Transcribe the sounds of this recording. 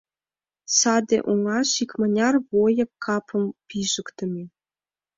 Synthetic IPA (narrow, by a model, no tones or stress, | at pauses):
sɑd̪ʲḛʔuŋɑʃikmə̆nʲɑrβojɤ̆kʰːɑpʰɤ̆mpʲiʒə̆kt̪ə̆mʲe